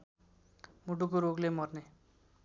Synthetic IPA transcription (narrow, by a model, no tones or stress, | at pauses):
muʈukoɾoɡlemʌrne